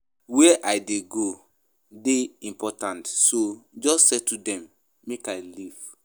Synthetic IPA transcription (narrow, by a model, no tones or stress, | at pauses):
wɛʔajdeɡo | deĩmpɔtãntsod͡ʒɔstsɛtudɛ̃mː | ekaɪliv̥